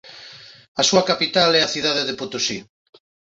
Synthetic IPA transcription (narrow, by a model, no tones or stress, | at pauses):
asuɐkapit̪alɛaθiðaðeðeput̪usi